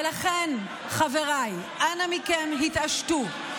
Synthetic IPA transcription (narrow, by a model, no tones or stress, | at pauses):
laχen | χaveʁajʔanamikemɦit̪aʃtu